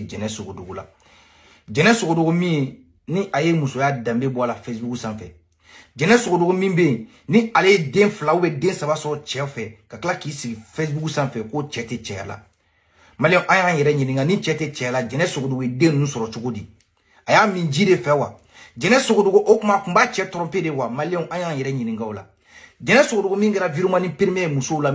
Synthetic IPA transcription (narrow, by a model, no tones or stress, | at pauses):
d͡ʒɛnɛsoɡodoɡola̰ | d͡ʒɛnɛsoɡodoɡomĩje | niʔajemusojadãmbebɔlafesbuɡusãfɛ̰ | d͡ʒɛnɛsoɡodoɡomĩbej | nialejedẽflaubɛdẽsabasɔɾɔt͡ʃɛfɛkakalakisiɡifes̬buɡusãfɛkot͡ʃɛtẽt͡ʃɛja̰la̰ | maliɛ̃ũʔãjãjɛɾɛɲĩnĩɡãnĩt͡ʃɛtẽt͡ʃɛjalad͡ʒɛnɛsoɡodoɡojedẽnũnũsɔɾɔt͡ʃoɡodĩ | ajamĩd͡ʒidefɛwa̰ | d͡ʒɛnɛsoɡodoɡoʔokũmakũbat͡ʃɛtɔɾɔ̃mpẽdewamaliɛ̃ũʔãjãjɛɾɛɲĩnĩŋɡãola̰ | d͡ʒɛnɛ̃soɡodoɡomĩkɛɾaviɾomãnĩpiɾimejemusola